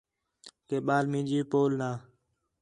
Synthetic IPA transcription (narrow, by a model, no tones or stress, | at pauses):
keːɓaːlmĩːd͡ʒiːpoːlnaː